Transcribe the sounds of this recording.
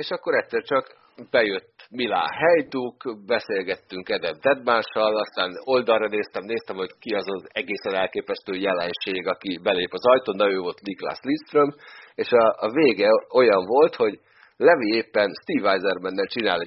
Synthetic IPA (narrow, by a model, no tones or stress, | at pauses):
eːʃɒkːoɾɛt̪sɛrt͡ʃɒk | bɛjøt̪ːmila̰ːɦɛjd̪ukbɛseːlɡɛt̪ːyŋkɛd̪ɛvd̪ɛd̪maːnʃɒlɒst̪aːno̞ld̪ɒrːɒneːst̪ɛmneːst̪ɛmho̞ɟkiɒzɒzɛɡeːsɛnɛlkeːpɛst̪øːjɛlɛnʃeːɡɒkibɛleːpɒzɒjt̪oːnːɛøːvot̪nikla̰slist̪rømeːʃɒveːɡɛo̞jɒɱvo̞lt̪ho̞ɟ | lɛvieːpːɛnst̪iːvajzɛrmɛnːɛlt͡ʃinaːlɛ